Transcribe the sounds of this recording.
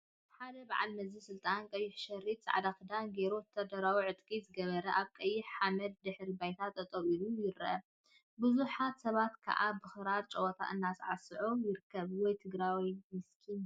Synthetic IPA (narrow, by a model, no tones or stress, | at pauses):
ħad̪ɐbaʕa̰lmɐzɨsɨlt̪ʼankʼɐjːɪħʃɐrːit̪t͡sʼʕad̪akɨd̪anɡe̞ɾot̪ʰɐd̪ɐɾawiʕɨt̪ʼkʼizɨɡɐβɐɾɐʔaβkʼɐjːɪħħamɐd̪̚d̪ɨħɾibajt̪ʰat̪ʼːɐt̪ʼɐwilujɪɾʔɐ | bɨzuħat̪sɐβat̪kʰɐ̰ʔabɨxɨɾaɾt͡ʃʼɐwɔt̪ʰa̰ʔɨnːasʕasɨʕojɪɾɨkʰːɐβwɔjt̪ʰɨɡɾawimɨskʰin